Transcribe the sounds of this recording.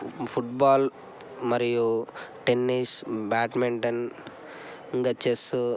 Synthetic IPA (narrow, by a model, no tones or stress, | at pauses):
pʰuʈbaːl | mɐɾijuʈenːisbaːʈmeɳʈɐn | iŋɡɐt͡ʃːesu